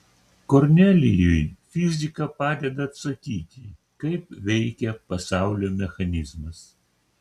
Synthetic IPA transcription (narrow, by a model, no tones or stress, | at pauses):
koɾʲnʲælʲɪjɔjfʲɪzʲɪkɐpɑːd̪ʲɛd̪ɐːt̪st̪ɐkʲiːt̪ʲɪ | kɐɪpʋʲɛɪkʲɛpɐsɑˑʊlʲoːmʲɛxɐnʲɪzmɐs